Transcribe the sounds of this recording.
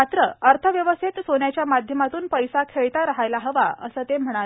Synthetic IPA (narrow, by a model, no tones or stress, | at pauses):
at̪ɾəəɾt̪ʰəʋjəʋəst̪ʰit̪sonjat͡ɕjamad̪ʱjəmat̪uːnpəjsakʰeɭt̪aɾəɦajlaɦəʋaə̰səːt̪em̤əɽ̃a